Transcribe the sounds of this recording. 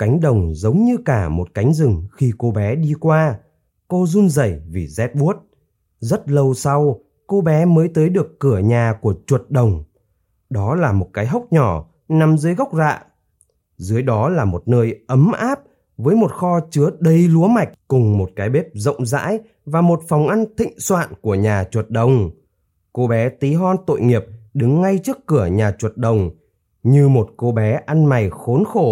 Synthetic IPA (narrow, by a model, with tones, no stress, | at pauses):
ka˨˦jŋ̟ɗə˨˩wŋ͡mzə˨˦wŋ͡mɲɨ˧kaː˧˩mo˨˩t̚ka˨˦jŋ̟zɨ˨˩ŋxi˧ko˧ɓɛ˨˦ɗi˧kwaː˧ | ko˧zu˧nzə˧˩jvḭ˨˩zɛ˦˥t̚ɓu˦˥ət̚ | zə˦˥t̚lə˧wsa˧w | ko˧ɓɛ˨˦məː˨˦jt̪əː˨˦jɗɨ˨˩əkːɨ˧˩əɲaː˨˩ku˧˩ət͡ɕwə˨˩t̚ɗə˨˩wŋ͡m | ɗɔ˨˦laː˨˩mo˨˩t̚kaː˨˦jɦə˦˥wk͡p̚ɲɔ˧˩ | na˨˩mzɨː˨˦jɣə˦˥wk͡p̚za̰ː˧˨ʔ | zɨ˨˦əjɗɔ˨˦laː˨˩mo˨˩t̚nəː˧jʔə˨˦mʔaː˦˥p̚ | vəː˨˦jmo˨˩t̚xɔ˧t͡ɕɨ˨˦əɗə˧jlu˨˦əma˨˩jk̟̚kʊ˨˩ŋ͡mmo˨˩t̚kaː˨˦jɓe˦˥p̚zə̰˧˨wŋ͡mza̰ː˧˥j | vaː˨˩mo˨˩t̚fa˨˩wŋ͡mʔa˧nt̪ḭ̈˧˨ŋ̟swa̰ː˧˨nku˧˩əɲaː˨˩t͡ɕwə˨˩t̚ɗə˨˩wŋ͡m | ko˧ɓɛ˨˦t̪i˨˦ɦɔ˧nt̪o̰˧˨jŋi˨˩əp̚ɗɨ˨˦ŋːa˧jt͡ɕɨ˦˥əkːɨ˧˩əɲaː˨˩t͡ɕwə˨˩t̚ɗə˨˩wŋ͡m | ɲɨ˧mo˨˩t̚ko˧ɓɛ˨˦ʔa˧nma˨˩jxo˨˦nxo˧˩